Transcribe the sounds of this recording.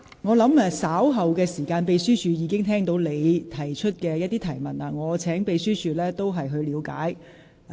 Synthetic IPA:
ŋɔː˨˧lɐ˨˥ma˧saː˨˥wɦɐ˨wkɛː˧siː˨˩kaː˧npe˨˧jsyː˥t͡ʃʰyː˨˧jiː˨˧kɪ˥ŋt̪ʰɛː˥ŋt̪o˨˥wle˨˧jt̪ʰɐ˨˩jt͡ʃʰɵ˥t̚kɛː˧jɐ˥t̪ːiː˥t̪ʰɐ˨˩jmɐ˨˩naː˧ŋɔː˨˧t͡sʰɛː˨˥ŋpe˨˧jsyː˥t͡ʃʰyː˨˧lɛː˥t̪o˥wɦɐ˨jɦɵ˧ɥliː˨˧wka̰ː˨˥j

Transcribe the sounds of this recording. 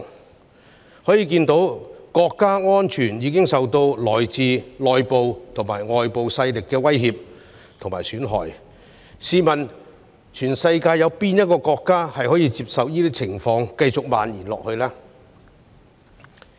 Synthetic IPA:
hɔː˨˥jiː˧k̬iː˧nt̪o˨˥wkɔː˧kːaː˥ŋɔː˥nt͡ʃʰyː˨˩njiː˨˧˥kɪ˥ŋsɐ˨wt̪o˧wlɔː˨˩jt͡siː˨˧lɔː˨jpo˨wt̪ʰʊ˨˩ŋmaː˨˩jŋɔː˨˩jpo˨wsɐ˧jlɪ˨kːɛː˧wɐ˥jhiː˧p̚ | t̪ʰʊ˨˩maː˨˩jsyː˨˥nɦɔ̰ː˨˩j | siː˨˧mɐ˨˩n | t͡ʃʰyː˨˩nsɐ˧jkaː˧jːɐ˨˧wpiː˥njɐ˥t̚kɔː˧kɔː˧kːaː˥hɐ˨jhɔː˨˥jiː˧t͡siː˧p̚sɐ˨wjiː˥t̪iː˥t͡sʰɪ˨˩ŋfɔː˧ŋkɐ˧jt͡sʊ˨k̚ma̰ː˨njiː˨˩nlɔː˨k̚hɵ˧ɥlaː˥

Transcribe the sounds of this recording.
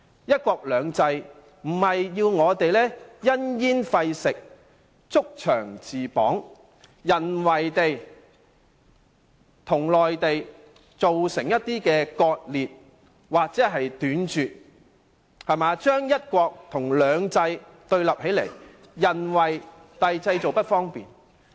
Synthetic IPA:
jɐ˥t̚kʷɔː˧k̚lœː˨˧ŋt͡sɐ˧j | m̩˨˩hɐ˨jːiː˧wŋɔː˨˧t̪e˨jlɛː˥jɐ˥njiː˥nfɐ˧jsɪ˨k̚ | t͡sʊ˥k̚t͡ʃʰœː˨˩ŋt͡siː˨pɔ̰ː˨˥ŋ | jɐ˨nwɐ˨˩jt̪e˨j | t̪ʰʊ˨˩ŋlɔː˨jt̪e˨j | t͡so˨wsɪ˨˩ŋjɐ˥t̪̚iː˥kɛː˧kɔː˧t̚liː˨t̚ | waː˨k̚t͡sɛː˨˥ɦɐ˨jt̪yː˨˥nt͡ʃyː˨t̚ | hɐ˨maː˨˧t͡ʃœː˥ŋjɐ˥t̚kʷɔː˧k̚t̪ʰʊ˨˩ŋlœː˨˧ŋt͡sɐ˧j | t̪ɵ˧ɥlɐ˨p̚he˨˥jlḛ˨˩j | jɐ˨nwɐ˨j | t̪ɐ˨jt͡sɐ˧jt͡so˨wpɐ˥t̚fɔː˥ŋpiː˨n

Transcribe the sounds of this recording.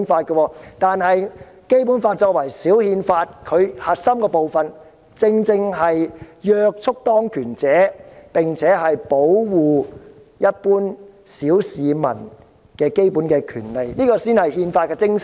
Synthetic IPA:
nfaː˧t̚kə˧wɔː˧t̪aː˨nhɐ˨j | ke˥jpuː˨˥nfaː˧t̚t͡ʃɔː˧kwɐ˨˩jsiː˨˥whiː˧nfaː˧t̚kʰɵ˨˧ɥhɐ˨t̚sɐ˥mkɛː˧po˨wfɐ˨n | t͡sɪ˧ŋt͡sɪ˧ŋɦɐ˨jjœː˧k̚t͡sʰʊ˥k̚t̪ɔː˥ŋkʰyː˨˩nt͡sɛː˨˥pɪ˨˩ŋt͡sʰɛː˨˥ɦɐ˨jpo˨˥wwuː˨ | jɐ˥t̚puː˥n | siː˨˥wsiː˨˧mɐ̰˨˩n | kɛː˧ke˥jpuː˨˥nkɛː˧kʰyː˨˩nle˨jniː˥kɔː˧siː˥nhɐ˨jhiː˧nfaː˧t̚kɛː˧t͡sɪ˥ŋs

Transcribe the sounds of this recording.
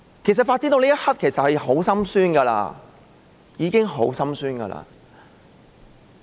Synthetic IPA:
kʰe˨˩jsɐ˨t̚faː˧t̚t͡siː˥t̪o˧liː˥ɐ˥hɐ˥t̚kʰe˨˩jsɐ˨t̚hɐ˨jɦo˨˥wsɐ˥msyː˥nɡɐː˧la̰ː˧ | jiː˨˧kɪ˥ŋɦo˨˥wsɐ˥msyː˥nɡɐ̰˧la̰ː˧

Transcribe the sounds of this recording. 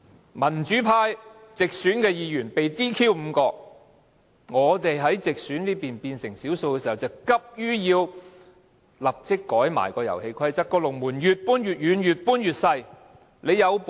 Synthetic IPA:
mɐ˨˩nt͡ʃyː˨˥pʰaː˧jt͡sɪ˨k̚syː˨˥nkɛː˧jiː˨˧jyː˨˩npe˨jt̪iː˥kʰiː˥wm̩˨˧kɔː˧k | ŋɔː˨˧t̪e˨jɦɐ˨˥jt͡sɪ˨k̚sy˨˥nliː˥piː˨npiː˧nsɪ˨˩ŋsiː˨˥wso˧wkɛː˧si˨˩hɐ˨˩wt͡sɐ˨˩wkɐ˥p̚jyː˥jiː˧w | lɐ˨p̚t͡sɪ˥kːɔː˨˥jma̰ː˨˩jkɔː˧jɐ̰˨˩whe˧jkʰɐ˥jt͡sɐ˥kːɔː˧lʊ˨˩ŋmuː˨˩njyː˨t̚puː˥nɥyː˨t̚jyː˨˧njyː˨t̚puː˥njyː˨t̚sɐ˧j | le˨˧jjɐ˨˧wp

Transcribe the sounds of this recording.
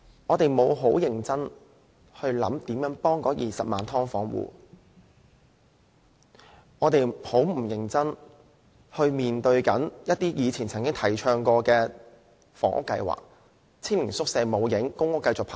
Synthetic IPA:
ŋɔː˨˧t̪e˨jmo˨˧wɦo˨˥wjɪ˨ŋt͡sɐ˥n | hɵ˧ɥlɐ̰˨˥mt̪iː˨˥mjœː˨˥ŋpɔː˥ŋkɔː˨˧jiː˨sɐ˨p̚ma̰ː˨nt̪ʰɔː˥ŋfɔ̰ː˨˥ŋwṵː˨˧ | ŋɔː˨˧t̪e˨˩jho˨˥wm̩˨˩jɪ˨˩ŋt͡sɐ˥n | hɵ˧ɥmiː˨nt̪ɵ˧ɥkɐ˨˥njɐ˥t̚t̪iː˥jiː˨˧t͡sʰiː˨˩nt͡sʰɐ˨˩ŋkɪ˥ŋt̪ʰɐ˨˩jt͡ʃʰœː˧ŋkɔː˧kɛː˧ | fɔ̰ː˨˥ŋʔʊ̰˥kːɐ˧jwa̰ː˨k̚ | t͡sʰɪ˥nliː˨˩nsʊ˥k̚sɛː˨˧mo˨˧wjɪ˨˥ŋkʊ˥ŋʊ˥kːɐ˧jt͡sʊ˨k̚pʰaː˨

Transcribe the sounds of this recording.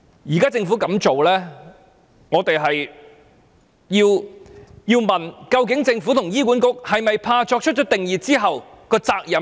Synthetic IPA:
jiː˨˩kaː˥t͡sɪ˧ŋfu˨˥kɐ˨˧˥mt͡ʃo˨wlɛː˥ | ŋɔː˨˧t̪e˨jɦɐ˨j | jiː˧w | jiː˧wmɐ˨nkɐ˧wk̬ɪ˨˥ŋt͡sɪ˧ŋfu˨˥t̪ʰʊ˨˩ŋjiː˥kʷuː˨˥nkʊ˥k̚hɐ˨jmɐ˨jpʰaː˧t͡ʃɔː˧k̚t͡ʃʰt̚t͡ʃɔː˨˥t̪̚ɪ˨ŋjiː˨t̚t͡siː˥ɦɐ˨w | kɔː˧t͡saː˧k̚jɐ˨

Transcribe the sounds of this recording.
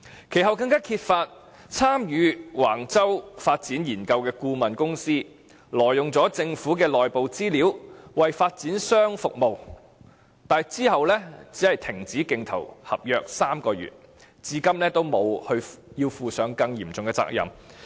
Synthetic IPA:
kʰe˨˩jɦɐ˨˩wkɐ˧ŋkaː˥kʰiː˧t̚faː˧t̚ | t͡sʰaː˥mjyː˨˧waː˨˩ŋt͡sɐ˥wfaː˧t̚t͡siː˨˥njiː˨˩nkɐ˧wkɛː˧kuː˧mɐ˨nkʊ˥ŋsiː˥ | lɔː˨˩jːʊ˨ŋt͡sɔː˨˥t͡sɪ˧ŋfuː˨˥kɛː˧lɔː˨jpo˨wt͡siː˥liː˨˥wwɐ˨jfaː˧t̚t͡siː˨˥nsœː˥ŋfʊ˨k̚mo˨w | t̪aː˨jt͡siː˥hɐ˨wlɛː˥t͡siː˨˥hɐ˨jt̪ʰɪ˨˩ŋt͡siː˨˥kɪ˧ŋt̪ʰɐ̰˨˩whɐ̰˨p̚jœː˧k̚saː˥mkɔː˧jy̰ː˨˩t̚ | t͡siː˨˧kɐ˥mlɛː˥t̪o˥wmo˨˧whɵ˧ɥjiː˧wfuː˨˧sœː˨˥ŋkɐ˧ŋjiː˨˩mt͡sʊ˨ŋkɛ˧t͡sa̰ː˧k̚jɐ̰˨˩m

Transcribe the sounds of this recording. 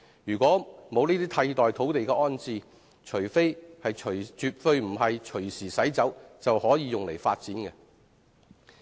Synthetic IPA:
jyː˨˩kʷɔː˨˥mo˨˧wniː˥t̪iː˥t̪ʰɐ˧jt̪ɔː˨jt̪ʰo˨˥wt̪e˨jkɛː˧ʔɔː˥nt͡siː˨˧ | t͡ʃʰɵ˨˩fe˥jhɐ˨jt͡ʃʰɵ˨˩ɥt͡ʃyː˨t̚fɵ˧ɥm̩˨˩ɦɐ˨jt͡ʃʰɵ˨˩ɥsiː˨˩sɐ˨˥jt͡sɐ˨˥wt͡sɐ˨whɔː˨˥jiː˨˧jʊ˨ŋle˨˩jfa̰ː˧t̚t͡siː˨˥nkɛ˧

